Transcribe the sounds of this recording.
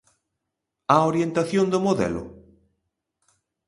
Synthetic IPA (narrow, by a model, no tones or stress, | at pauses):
aoɾjent̪aθjond̪ʊmoðɛ̰lʊ̰